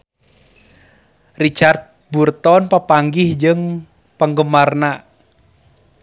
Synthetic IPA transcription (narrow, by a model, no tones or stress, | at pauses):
rit͡ʃart̪̚burt̪ɔnpəpaŋɡɪhd͡ʒɨŋ | pəŋɡəmarna